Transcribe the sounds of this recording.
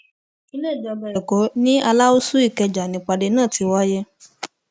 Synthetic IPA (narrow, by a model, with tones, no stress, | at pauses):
i˧le˦˨d͡ʒɔ˧˨bɛ˨ɾɛ˨ko˨˦nĩ˦a˧la˦o˦su˦i˦˨kɛ˧d͡ʒa˨nĩ˨˦k͡pa˧de˧nãː˦˨ti˧˦wɔ˦je˦